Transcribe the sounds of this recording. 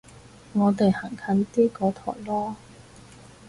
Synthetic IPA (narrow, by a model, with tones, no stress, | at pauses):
ŋɔː˨˧t̪̬e˨jha˨˩ŋkʰɐ˨˥nt̪iː˥kɔː˨˧t̪ʰɔː˨˩jlɔː˥